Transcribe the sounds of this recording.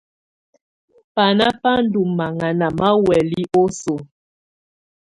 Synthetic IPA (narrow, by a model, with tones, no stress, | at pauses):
pa˨na˦pa˦n̩˦du˨mːa˨ŋa˨na˨ma˦wɛ˨li˦ʔo˦so˨